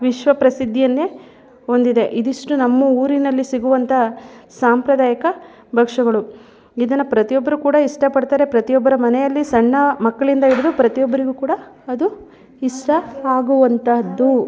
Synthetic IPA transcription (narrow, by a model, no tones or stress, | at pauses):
ʋiʃʋɐpɾɐsid̪ʱːijɐnːe | o̞nd̪id̪e̞ʔid̪iʂʈunɐmːuuːɾinɐlːisiɡuʋɐnt̪ʰɐsaːmpɾɐd̪aːjɐkɐ | bʱɐkʂɐɡɐɭu | id̪ɐnːɐpɾɐt̪ijɔbːɐɾukuːɽɐiʂʈɐpɐɽt̪aːɾe̞pɾɐt̪ijɔbːɐɾɐmɐnɛjɐlːisɐɳːɐmɐkːɐɭind̪ɐiɽid̪upɾɐt̪ijɔbːɐɾiɡukuːɽɐː | d̪u | iʂʈɐaːɡuʋɐnt̪ʰɐd̪ːu